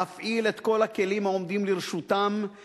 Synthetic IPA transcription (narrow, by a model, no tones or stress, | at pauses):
afʔile̞t̪ko̞lake̞limhaomd̪imliʁʃut̪am